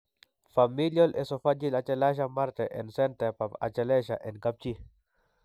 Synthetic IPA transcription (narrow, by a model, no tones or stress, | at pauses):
familjɔlʔɛsɔfad͡ʒilat͡ʃɛlaʃ̬amaɾt̪ɛʔɛ̰nsɛnt̪ɛpapa̰t͡ʃɛlɛʃaʔɛnɡap̚t͡ʃi